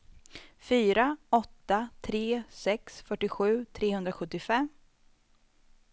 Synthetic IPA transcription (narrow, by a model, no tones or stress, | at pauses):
fyːɾaɔt̪ːat̪ʰɾeːsɛksfœʈːɪɧʉ̟ːt̪ʰɾeːhɵnd̪ɾaɧɵt̪ːɪfɛmː